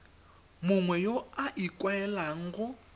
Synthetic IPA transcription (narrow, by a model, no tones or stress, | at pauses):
mʊŋwɛjoaʔikʼwaɛlaŋ̩ɣʊ